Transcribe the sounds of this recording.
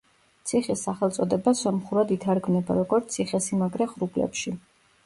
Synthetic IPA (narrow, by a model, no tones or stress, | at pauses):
t̪sʰiχisːaχɛlˠt̪sʼɔd̪ɛbasɔmχuɾad̪it̪ʰaɾɡmnɛba̰ɾɔɡɔɾt̪sʰiχɛsimaɡɾɛχɾublɛ̰pʃi